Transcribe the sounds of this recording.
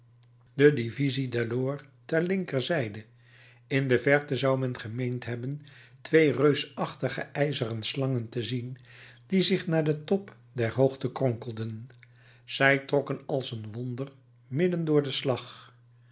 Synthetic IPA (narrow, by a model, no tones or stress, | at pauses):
dədivizidaɹdoːɹ | tɛɹlɪŋkəɹzɛjdə | ɪndəvɛɹtəzɑwmɛnχəmejntɦɛbəntʋejrøɥsɑχtəχə̰ʔɛjzərənslɑŋəntəzind̥izɪχnaːɹdətɔp | dɛɹɦowχtəkrɔŋkəlˠdən | z̥ɛjtrɔkənɑlˠsənʋɔndəɹ | mɪdəndʊːɹdəslɑχ